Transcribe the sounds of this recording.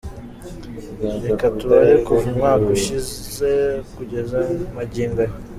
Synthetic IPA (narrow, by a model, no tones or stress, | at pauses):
ɾekatuβaɾekuvumŋaːkuʃize̞kuɟe̞zamaɟiːmba